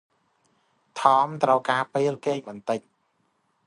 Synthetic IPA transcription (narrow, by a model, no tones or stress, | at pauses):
t̪ʰɑːmt̪rəwkaːpeːlkeːŋɓɑnt̪ɨc̚